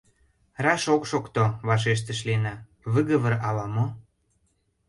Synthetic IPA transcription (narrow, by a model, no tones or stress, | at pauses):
rɑʃokʃokt̪oβɑʃ̬eʃ̬t̪ə̆ʃ̬lienɑ | βəɣə̆βə̆ɾɑlɑmo